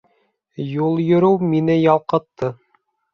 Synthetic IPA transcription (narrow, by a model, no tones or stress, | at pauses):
julˠjɵ̆ɾɘwminɘjɑlˠqɤ̆t̪ːɤ